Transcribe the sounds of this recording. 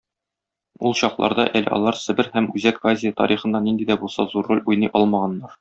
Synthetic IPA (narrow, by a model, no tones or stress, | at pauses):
ulˠɕɒqlˠɑ̰ɾd̪ɑʔælɘ̰ʔɒ̰lˠɑɾsɘ̆bɘɾhæmʉzækvazʲɪjət̪ɒ̰ɾʔiχɤ̆nd̪ɑnind̪id̪æbulˠsɑzuɾːolʲujnɤjʔɒlˠmɑʁɑnːɑɾ